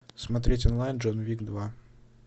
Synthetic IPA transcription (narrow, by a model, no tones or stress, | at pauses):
smɐt̪ɾʲetʲɔnlˠajnd͡ʒʐonvʲiɡd̪va